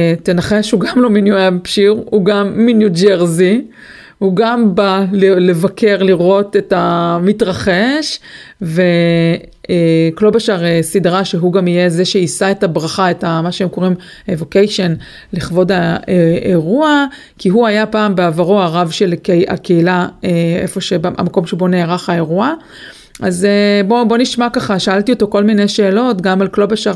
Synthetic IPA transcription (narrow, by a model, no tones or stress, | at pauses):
te̞naχeʃhuɡamlo̞minjuempʃiʁhuɡamːinjud͡ʒeʁzi | huɡambalele̞vakʰe̞ʁliʁo̞te̞tamitʁaχe̞ʃve̞ | klo̞baʃaʁesidʁaʃeɦuɡamijezeʃeisaetabʁaχaetamaʃeemko̞ʁim | evokejʃe̞n | liχvo̞daeeʁua | kiɦuajapaːmbeavaʁoaʁavʃe̞lkea̰keilaeefo̞ʃea̰mako̞mʃebo̞ne̞ːʁaχae̞ʁua | ʔazebo̞bo̞niʃmakaχaʃaaltio̞to̞ko̞lmine̞jʃe̞ːlo̞tɡamalklo̞baʃaʁ